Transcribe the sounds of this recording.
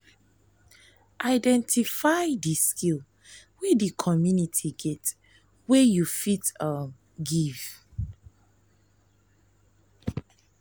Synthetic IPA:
ʔaɪdɛ̃ntʰifajdiskʰil | wedikʰɔmjunitʰiɡɛt | wejufitam | ɡiv̥

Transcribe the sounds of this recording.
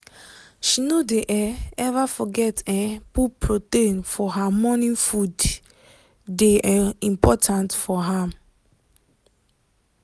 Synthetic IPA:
ʃinodeʔɛɛvafɔɡɛtɛ̃pupʰɹotẽnfɔɦamɔnĩŋfud | deʔɛĩmpʰɔtʰãntfɔɦãm

